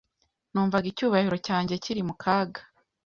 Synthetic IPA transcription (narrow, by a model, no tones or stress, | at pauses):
nuːɱvaɡicuːβahiɾo̞caːɲɟe̞ciɾimukʰaːɡḁ